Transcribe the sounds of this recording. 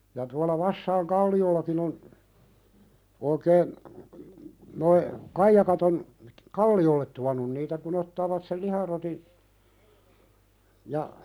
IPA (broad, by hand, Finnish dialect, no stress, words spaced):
jɑ tuɑlɑ ʋɑsːɑiŋ kɑlːiolːɑkin on oikeːn noi kɑijɑkɑt on kɑlːiolːet tuɑnˑun niːtæ kun otːɑːʋɑt sel lihɑroti jɑ